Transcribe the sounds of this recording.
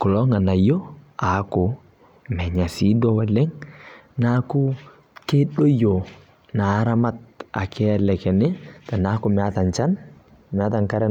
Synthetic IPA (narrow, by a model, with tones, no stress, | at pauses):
kɔ˨lɔ˦ŋa˨na˨jo˦a˨˦kʊ˨ | mɛ˨ɲa˨si˦dɔ˦wɛ˦lɛ˦ŋna˦ku˦ | ke˦ɗo˦jo˨ | na˨˦ɾa˦ma˦t̚a̰˨kɛ˦ɛ˨lɛ˨kɛ˨nɪ˦ta˨na˦ku˨mɛ˨a˦ta˨nt͡ʃa˦n | mɛ˨a˦taŋka˦ɾɛ˦